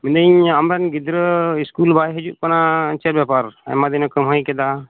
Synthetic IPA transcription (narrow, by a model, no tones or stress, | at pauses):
mind̪əɲamɾɛnɡid̪ɾəiskulbaɦjɦəd͡ʒuʔ̚kɔnat͡ʃəɾbjapaɾa̰jmad̪inɔkəmɦəjkɛd̪a